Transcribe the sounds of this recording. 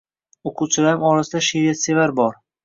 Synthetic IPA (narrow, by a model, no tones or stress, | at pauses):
oqʰuwt͡ʃʰɪlaɾɪmɒɾasɪd̪aʃeɾijat̪se̞vaɾbɒɾ